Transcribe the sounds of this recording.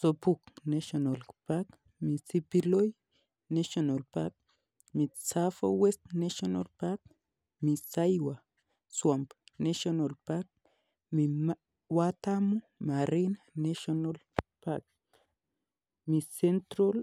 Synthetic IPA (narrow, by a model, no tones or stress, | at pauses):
sopuknasonalpak | misipiloj | neʃonolpak̚ | mit͡safo̰west̪nasona̰lpak | misajwa | swampneʃonolpak̚ | mi | wat̪amomaɾinanaʃonol | pa̰k̚ | misent̪ɾol